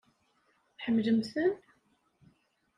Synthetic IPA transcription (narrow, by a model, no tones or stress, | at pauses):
θħəmːləmθən